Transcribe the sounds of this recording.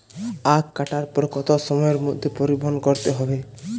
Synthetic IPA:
akːaʈaɾpɔɾkɔt̪ɔsɔmɔjɔɾmod̪ʱːepɔɾibɔɦɔnɔkɔɾt̪eɦɔbe

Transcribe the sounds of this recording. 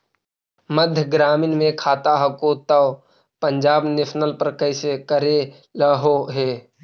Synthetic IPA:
məd̪ʱjəɡɾaːmɪnmẽkʰaːt̪aɦɐkoːt̪ao | pəɲd͡ʒaːbnesnəlpəɾkəɪsekəɾe | ləɦoɦeː

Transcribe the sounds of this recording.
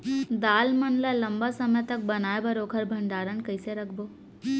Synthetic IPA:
d̪aːlmənlaləmbasəməjt̪ək̚bənajbəɾokʰəɾbʱəɳɖaɾənkəjseɾəkʰbo

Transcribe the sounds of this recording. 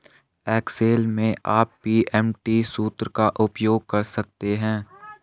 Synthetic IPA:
ɛːkseːlmẽʔaːpːiːʔɛːmʈisuːt̪ɾəkaʔʊpjoːɡ̚kɐɾsɐk̚t̪eɦɛ̃ː

